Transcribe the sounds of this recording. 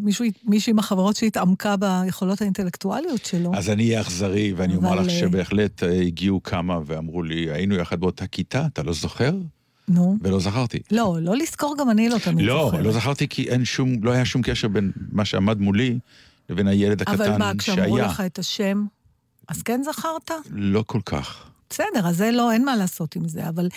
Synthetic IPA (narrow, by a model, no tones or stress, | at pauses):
miʃuimiʃuimaχaveʁo̞tʃeitamkabajeχo̞lo̞thainte̞lektualio̞tʃeloazanijeaχzaʁiveaniomaʁlaʃebe̞ːχle̞t̪ʰeiɡiukʰamaveamʁulia̰inujaχad̪beotakit̪aːt̪alo̞zo̞χe̞ʁ | nuvelo̞zaχaʁt̪ḭlo̞lo̞lisko̞ʁɡamanilot̪anlo̞lo̞zaχaʁt̪ikʰiʔenʃumlohajaʃumkeʃe̞ʁbe̞nmaʃeamad̪muli | leve̞najele̞d̪aakavallanakʃʃeʃaeajualeχaet̪aʃe̞m | ʔaz̥kenzaχaʁt̪alo̞kʰo̞lkʰa̰χb̥esedeʁazelo̞enmalaːso̞timzeaval